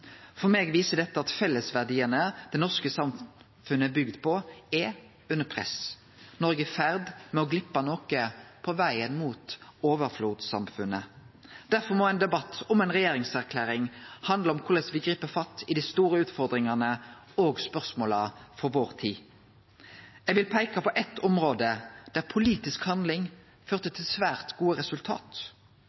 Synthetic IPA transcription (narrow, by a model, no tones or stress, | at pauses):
fɔʁmeːɡʋiːsəd̪ɛt̪ːəɑt̪fɛlːəsʋæʁd̪iːənəd̪̥ɛnɔʁskəsɑm | fʉnːəɛbʏɡd̪pʰɔɛ | ʉnːəpʰʁɛ̰s | nɔʁɡəɛfæʁd̪mɛɔɡlɪpːɑnoːkəpʰɔʋæɪənmuːt̪oːʋəɾfluːt̪sɑ̰mfʉnəd̪̥æʁfɔʁmɔæɪnd̪ɛbɑt̪ʰːɔmɛɪnʁɛjeːɾɪŋsæʁkʰlæːɾɪŋhɑnd̪ləɔmkʰʊʁləsʋɪɡʁiːpəfɑt̪ɪd̪ɪst̪uːʁəʉːt̪fɔʁd̪ʁɪŋɑnə | oːɡspœʁsmoːlɑfɔɾʋoːʁt̪ʰiː | jɛɡʋɪlpʰæɪkɑpʰɔʔɛt̪ʰːɔmʁoːd̪əd̪̥æʁpʰʊliːt̪ɪskhɑnd̪lɪŋ | føːʁt̪ət̪ʰɪlsʋæːʁt̪ɡuːəʁɛsʉlt̪ʰɑ̰ːt̪